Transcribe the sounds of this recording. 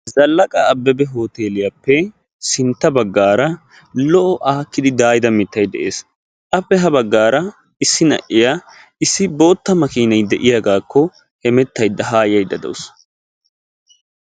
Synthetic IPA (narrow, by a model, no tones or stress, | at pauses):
zɐlːɐkʼɐːbːɛbɛɦo̞ːt̪e̞ːlɪjapːɛ | sɪnt̪ːɐbɐɡːaːɾɐ | lɔʔɔʔaːkːɪd̪ɪd̪aːjd̪ɐmɪt̪ːɐjd̪ɛʔeːs | ʔɐpːɛɦɐbɐɡːaːɾɐ | ɪsːɪnɐ̰ʔɪja | ɪsːɪbo̞ːt̪ːɐmɐkiːnɐjd̪ɛʔɪjaɡaːkːɔ | hɛmɛt̪ːɐjd̪ːɐɦaːjɐjd̪ɐd̪ɛ̰wʊs